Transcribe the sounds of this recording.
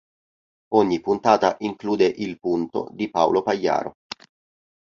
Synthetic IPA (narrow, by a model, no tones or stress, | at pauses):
ɔɲːipunt̪aːt̪aʔiŋkluːd̪eʔilpunt̪o̰d̪ipao̰lopajːa̰ːɾo̰